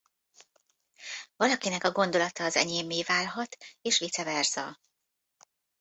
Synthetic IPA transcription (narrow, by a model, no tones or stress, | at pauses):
vɒlɒkinɛkɒɡo̞nd̪o̞lɒt̪ɒːzɛ̰ɲeːmːeːvaːlɦɒt̪eːʃʋit̪sɛvɛrz̥ɒ